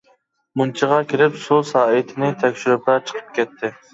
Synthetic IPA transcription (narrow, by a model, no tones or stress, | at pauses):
munt͡ʃʰiʁɑkʲʰelɪpsusɑːɪt̪ʰɪnɪt̪ʰɛkʲʃyɾʊpɑt͡ʃʰə̥qʰə̥p̚kʲɛt̪ʰːɪ